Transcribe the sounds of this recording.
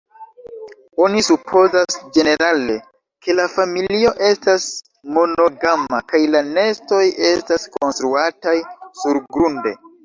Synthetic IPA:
o̞nisupʰo̞zasd͡ʒe̞ne̞ɾale̞ | ke̞lafamilio̞ʔe̞stas | mo̞no̞ɡamakajlane̞sto̞je̞stasko̞nstɾuatajsuɾɡɾunde̞̰

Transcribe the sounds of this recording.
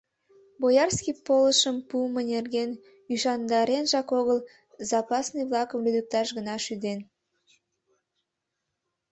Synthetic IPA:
bojɑrskipoləʃəmpumənerɡen | yʃɑnd̪ɑɾenʒɑkoɣəl | zɑpɑsnɨjβlˠɑkəmlyd̪ək̚t̪ɑʃɣənɑʃyd̪en

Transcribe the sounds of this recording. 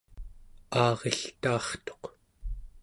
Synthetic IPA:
ɑːʁeɬt̪aːχt̪o̞̥q

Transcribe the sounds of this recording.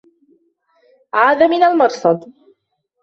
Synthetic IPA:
ʕaːðamɪnalmɑɾˤsˤɑd̪ˤ

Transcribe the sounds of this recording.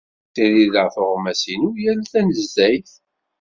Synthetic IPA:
θiðiðəʕfʊʁmæsinujælθænəzːæjθ

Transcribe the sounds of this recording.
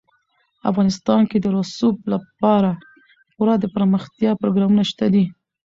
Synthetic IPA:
a̰fɣɑnɪst̪ɑnked̪əɾʊsublapɑɾa | puɾɑd̪əpəɾməxt̪jɑpɾoɡɾɑmunaʃt̪ad̪i

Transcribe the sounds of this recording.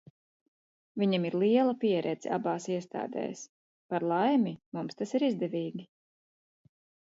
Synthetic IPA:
viɲamiɾlˠiɛlˠapiɛɾʔɛd̪z̥a̰baːsiɛst̪a̰ːd̪ɛ̰ːs | paɾlˠajmimumst̪asiɾizd̪ɛvʲiːɡʲi

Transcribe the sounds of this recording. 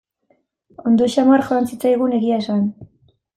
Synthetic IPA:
o̞nd̪o̞ʃamarʝoansit͡sajɣ̞une̞ɣiaesan

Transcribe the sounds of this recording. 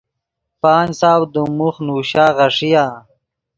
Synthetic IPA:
paːnsaːwd̪umuχnuːɕaːʁɐʂijaː

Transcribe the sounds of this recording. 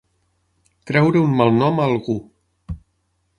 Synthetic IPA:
kɾɛwɾəunmalˠnɔmalˠɣu

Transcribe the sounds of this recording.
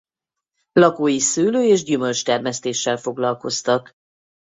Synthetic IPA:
lɒkoːjisyːløːeːʒɟymø̞lt͡ʃt̪ɛrmɛst̪eːʃːɛlfo̞ɡlɒlko̞st̪ɒk

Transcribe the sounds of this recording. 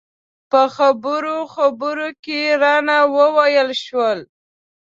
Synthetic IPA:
pəxabəɾoxabəɾokeɾɑnawəwajəlʃwəl

